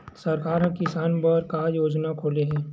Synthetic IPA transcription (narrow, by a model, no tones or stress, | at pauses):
sɐɾkaːɾɦɐ̃kɪsaːnpɐɾkajoːd͡ʒnakʰoːleɦɛ̃ː